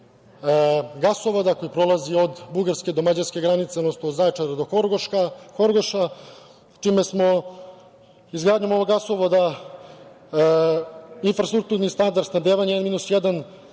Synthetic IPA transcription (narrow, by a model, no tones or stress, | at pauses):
ɡasoʋod̪ako̞jipɾo̞lˠazio̞d̪buɡaɾskʲe̞d̪omad͡ʑaɾskʲe̞ɡɾanit̪sed̪nosnozajt͡ʃaɾad̪oɡoxoɾɡoʃa | t͡ʃimesmo̞ | izɡɾaːd̪ɲumoʋoɡasoʋod̪a | infɾast̪ɾuk̚t̪uɾnist̪and̪aɾd̪nad̪eːʋaɲaenmiːnusjed̪an